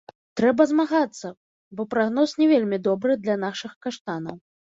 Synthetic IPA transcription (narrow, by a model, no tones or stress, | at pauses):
t̪ɾɛbɐzmaɣat̪sːɐ | bɔpɾaɣnɔsnʲɛvʲelʲmʲid̪ɔbɾɨd̪lʲan̪aʂɨxkaʂt̪anɐw